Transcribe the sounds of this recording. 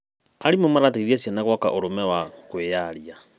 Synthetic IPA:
aɾimomaɾat̬eðiasjanaɣwaka̰ʔoɾomɛwakwejaɾia

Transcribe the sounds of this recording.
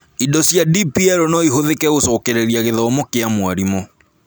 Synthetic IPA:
idɔsjadipiɛɾonɔiɦoðekɛɣosɔːkɛɾeɾiaɣeðɔːmɔkeamwaɾimɔ

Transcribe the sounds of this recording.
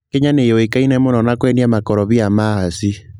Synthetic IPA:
keɲanejoekainɛmonɔnakwɛniamakɔɾɔβiamaasi

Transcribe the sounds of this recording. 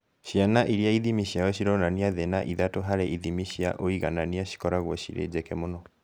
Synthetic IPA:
ɕianaʔiɾiaiðimiɕiajɔɕiɾɔnaniaðenaʔiðatoɦaɾeʔiðimiɕia̰ʔoiɣananiaɕi̥kɔɾaɣwɔɕḭɾḛd͡ʑɛkɛmonɔ

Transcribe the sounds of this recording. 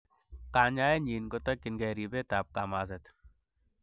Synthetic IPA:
kaːɲaːjeɲiːnkot̪ɐkːɪnɡeːɾibeːt̪aːp̚kaːmaːzɐt̪

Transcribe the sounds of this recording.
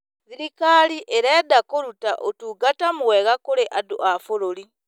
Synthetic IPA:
siɾikaliʔeɾeːdakoɾutaʔotuɡatamuweɣakoleʔadṵʔafoɾoli

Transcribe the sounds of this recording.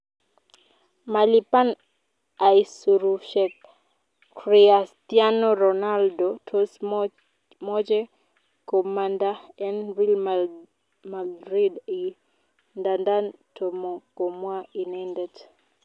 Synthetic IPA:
malipan | aisuɾuʃɛk̚ | ɾiastjanoɾonaldotʰos | mɔd͡ʒɛ | komandaɛnvilm | madɾidi | ndandantomokomwainɛndɛt

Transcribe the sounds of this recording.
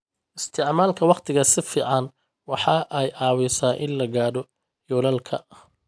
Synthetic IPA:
ʔɪst̪ʰɪʕmaːlkʰɐwɑqt̪ʰɪɣɐsɪfiːʕɑn | wɑħɑʔɛjʔɑːwɪsaːʔɪnlɐɣaːɽɔ | jɔlɐlkʰɐ̰

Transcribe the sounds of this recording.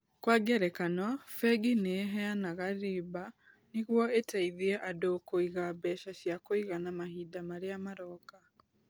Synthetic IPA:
kwaɡɛɾɛkanɔfɛɡineɦɛanaɣaɾiba | niɣwɔetaiðiɛʔadokoiɣabɛʃasjakoiɣanamahidamaɾeamaɾɔka

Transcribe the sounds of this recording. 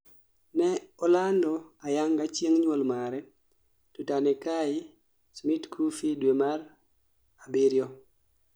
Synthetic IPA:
nɛɔlandɔajaŋɡat͡ʃeŋɲwɔlmaɾɛ | tutanɛkaɪ | smitkʰufidwemaɾ | abiɾjɔ

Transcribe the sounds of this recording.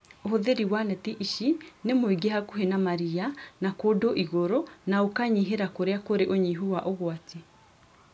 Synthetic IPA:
oɦoðeɾiwanɛtiʔiʃinemoiɡeɦakuɦenamaɾianakodoʔiɣoɾonaokaɲiɦeɾakoɾeakoɾeʔoɲiɦuwaʔoɣwate

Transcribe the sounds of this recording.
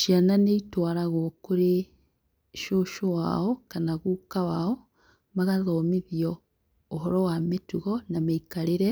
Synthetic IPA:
ʃiananeitwaɾaɣokoɾe | ʃoʃowa̰ɔkanaɣukawaɔ | maɣaðɔmeðiɔ | oɦɔɾɔwametuɣɔnameikaɾeɾɛ

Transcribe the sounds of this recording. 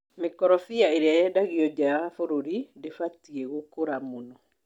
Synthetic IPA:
mekɔɾɔfiaeɾeajɛdaɣiɔd͡ʒafoɾoɾidefatiɛɣokoɾamonɔ

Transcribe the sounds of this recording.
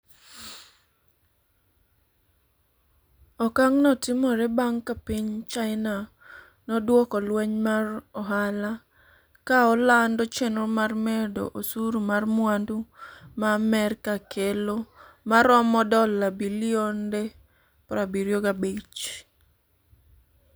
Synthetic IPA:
ɔkaŋnɔtɪmɔɾebaŋkapiɲt͡ʃaɪna | nɔdwɔkɔlwɛɲmarɔɦala | kaɔlandɔt͡ʃɛnomarmɛdo̰ʔosuɾumarmwandumamɛrkakʰelo | maɾɔmɔdɔlːabilionde | pɾabiɾjoɡabet͡ʃ

